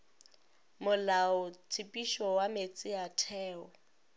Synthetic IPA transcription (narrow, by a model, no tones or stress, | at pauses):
mʊlaʊt͡sʰɪpʼiʃɔwamet͡sʼɪatʰɛːɔ